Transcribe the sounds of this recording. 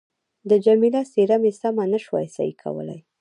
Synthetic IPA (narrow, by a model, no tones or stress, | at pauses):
d̪əd͡ʒamilaseɾamesamanəʃwa̰jsa̰ikʰa̰wə̰la̰j